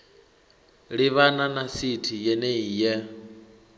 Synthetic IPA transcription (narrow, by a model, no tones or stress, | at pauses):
ɺiβananasitʰijɛneijɛ